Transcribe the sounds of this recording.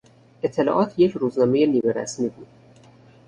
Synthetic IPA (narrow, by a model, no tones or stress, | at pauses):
ʔet̪ʰːe̞lɒ̰ːʔɒːt̪ʰje̞cʰɾuːznɒːme̞je̞niːbeɾæ̰smiːbuːd̪̥